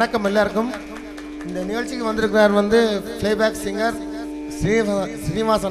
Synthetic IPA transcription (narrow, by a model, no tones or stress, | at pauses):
ɐkːɐmɛlːaːɾɯkːɯm | ɪnd̪ɐnɪɣɐɭt͡ʃːɪkːɯʋɐnd̪ɪɾɯkːɪɾaːɾʋɐnd̪ɯflɐɪbaːksɪŋɡɐɾ | sɪsɪnɪʋaːsɐ